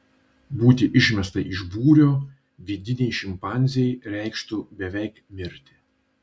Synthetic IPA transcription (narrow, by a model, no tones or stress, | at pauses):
buːt̪ʲɪʔɪʃʲmʲɛst̪ɐʔɪʒbuːɾʲoː | ʋʲɪd̪ʲɪnʲɛɪʃʲɪmpɑˑnʲzʲɪjɛɪɾʲɛɪkʃt̪ʊbʲɛʋʲɛɪkmʲɪɾʲt̪ʲɪ̥